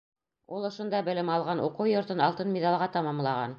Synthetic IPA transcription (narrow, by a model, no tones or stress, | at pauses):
ulˠɤ̆ʃŏnd̪ɑbɘ̆lɘmɑlˠʁɑnʔuqɤwjŏɾt̪ɤnɑlˠt̪ɤnmʲid̪ɑlˠʁɑt̪ɑmɑmlˠɑʁɑ̰n